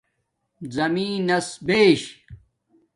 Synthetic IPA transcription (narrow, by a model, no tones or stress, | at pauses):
zɐmĩːnɐsbeːɕ